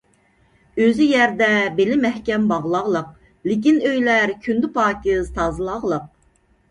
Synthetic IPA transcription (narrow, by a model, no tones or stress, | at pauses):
øzyjæɾd̪ɛbelɪmɛhkʲɛmbɑʁlˠɑʁlˠəq̚ | lɪk̬ʲinøjlæɾkʲʰynd̪ɪpɑːkʲizt̪ʰɑːzɨlˠɑʁlˠəq̚